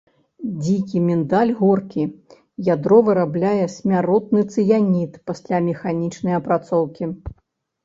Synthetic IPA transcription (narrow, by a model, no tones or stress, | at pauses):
d͡zʲikʲimʲɛnd̪alʲɣɔrkʲi | jad̪ɾɔvɨɾablʲajɛsʲmʲaɾɔt̪nɨt̪sɨjanʲit̪pasʲlʲamʲɛxanʲit͡ʂnɐjɐpɾat̪sɔwkʲi